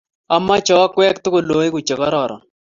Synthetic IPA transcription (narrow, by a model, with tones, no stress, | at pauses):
ɐ˨mːa˦t͡ʃɔ˨˦kwɛː˦kt̪ʊ˦kʊ˨loː˨˦ɪ˦kʊ˨t͡ʃɪ˨kɔ˦ɾɔː˨ɾɔ̰˨